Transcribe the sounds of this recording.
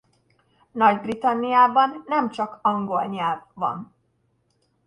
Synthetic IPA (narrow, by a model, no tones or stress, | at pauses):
nɒɟbrit̪ɒnːijaːbɒnːɛmt͡ʃɒkɒŋɡo̞lɲɛlvːɒ̰n